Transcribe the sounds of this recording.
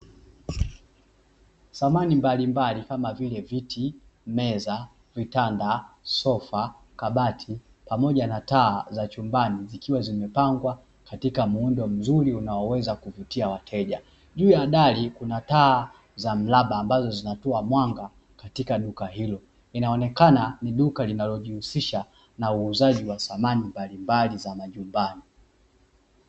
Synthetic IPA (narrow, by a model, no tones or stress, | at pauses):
samanimbalimbalikamavilɛvitʰi | mɛza | vitandasɔfa | kaɓatʰi | pamɔʄanataːzat͡ʃumbanizikiwazimɛpaŋɡwa | katikamuundɔm̩zuɾiunaɔwɛzakuvutiawatʰɛʄa | ʄuːjaɗalikunataː | zam̩laɓaːmbazɔzinatɔamwaŋɡa | katikaɗukahilɔ | inaɔnɛkananiɗukalinalɔʄihusiʃa | nauːzaʄiwaθamanimbalimbalizamaʄumbani